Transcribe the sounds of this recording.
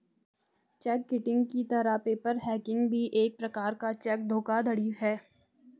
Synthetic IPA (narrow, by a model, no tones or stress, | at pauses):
t͡ʃɛkːɪʈɪ̃ŋɡkit̪ɐɾapeːpəɾɦɛːkɪ̃ŋɡbʱiʔeːk̚pɾɐkaːɾkat͡ʃɛk̚d̪ʱoːkad̪ʱɐɽiɦɛː